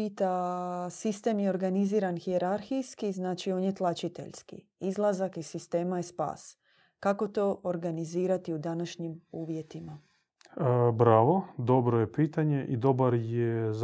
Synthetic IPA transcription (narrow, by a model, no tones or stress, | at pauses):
it̪asist̪e̞mjeo̞ɾɡaniziːɾanxie̞ɾaɾxijskiznaːt͡ʃio̞ːnjet̪lˠat͡ʃit̪e̞̰ʎskḭ | izlˠazakisist̪e̞ːmajespa̰ːs | kako̞t̪o̞ːʔoɾɡaniziːɾat̪iud̪anaʃɲimuːʋje̞t̪ima | bɾaːʋo̞d̪o̞bɾojepiːt̪aɲeʔid̪o̞baɾjez